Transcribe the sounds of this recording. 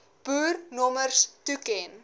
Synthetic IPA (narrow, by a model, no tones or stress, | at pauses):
b̥uːrnɔmərstukɛn